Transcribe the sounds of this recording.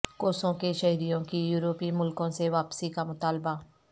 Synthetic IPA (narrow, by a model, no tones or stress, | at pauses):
koːsõkeʃɐɦɾijõkijuːɾoːpimʊlkõseʋaːpsikamʊt̪aːlba